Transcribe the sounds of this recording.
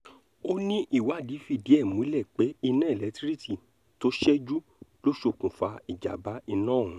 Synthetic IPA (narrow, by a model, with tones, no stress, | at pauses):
o˦nĩ˦ʔi˦˨wa˨˦˨di˨˦fi˧˨di˨˦ɛ˦˨mũ˦i˦lɛ˦˨k͡pe˨˦i˧nɛ̃ː˦˨lɛ˨˦tɾi˦ti˦˨ | to˦ʃɛ˦d͡ʒu˦ | lo˦ʃo˧˨kũ˨fa˧i˨d͡ʒa̰˨ba˨˦i˧nãː˦˨ũ˨˦